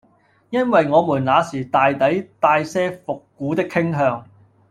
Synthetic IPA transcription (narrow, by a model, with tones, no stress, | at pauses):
jɐ˥nwɐ˨jŋɔː˨˧muː˨˩nlaː˨˧siː˨˩t̪aː˨jt̪ɐ˨˥jt̪aː˧jsɛː˥fʊ˨kːuː˨˥t̪ɪ˥kʰːɪ˥ŋɦœː˧ŋ